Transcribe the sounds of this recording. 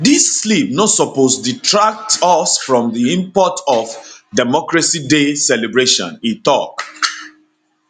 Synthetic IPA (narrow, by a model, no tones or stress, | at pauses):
disːlip̚nɔsɔposditʰɹak̚tɔsfɹɔ̃mðiĩmpɔtʰɔfdamɔkɹasidesɛlɛbɹeʃɔ̰̃nĩtɔk